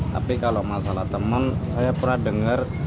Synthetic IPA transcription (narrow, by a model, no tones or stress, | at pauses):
t̪a̰pikalomasalaht̪əmənsajapərnahdəŋər